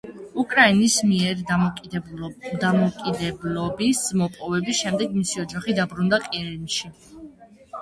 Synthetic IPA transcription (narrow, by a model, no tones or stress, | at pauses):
ukʼɾainismiɛɾʼ | d̪amɔkʼid̪ɛblɔbismɔpʼɔvɛbisʃɛmd̪ɛɡmisiɔd͡ʒaχid̪abɾund̪aqʼiɾinʃi